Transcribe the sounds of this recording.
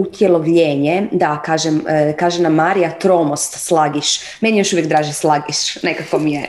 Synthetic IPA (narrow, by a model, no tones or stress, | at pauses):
ut̪jelˠoʋʎeːɲed̪akaːʒemkaːʒenamːaːɾijat̪ɾomost̪slˠaɡiʃ | menjejoʃuʋjekd̪ɾaːʒislˠaɡiʃnekakomije